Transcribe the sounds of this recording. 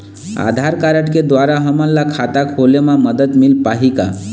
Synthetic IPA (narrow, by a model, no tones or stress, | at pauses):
a̰d̪ʱaɾkaɾəʈked̪waɾaɦəməllakʰat̪akɦolemãməd̪əd̪milpaɦika̰